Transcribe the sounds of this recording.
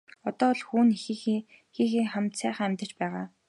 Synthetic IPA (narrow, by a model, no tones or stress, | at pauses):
ɔt̪ɔːɮxuːnixix | xiːxiːŋχæm̥ʲt̪sæːχaːæmʲt̪ə̥̆t͡ɕpæːʁaː